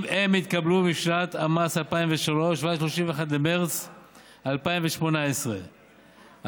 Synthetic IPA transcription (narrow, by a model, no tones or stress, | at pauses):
emit̪kablumipʃlat̪amasalpaimveʃalo̞ʃvaʃloʃimvexat̪bemeʁt͡s | alpaiɱveʃmo̞naesʁḛ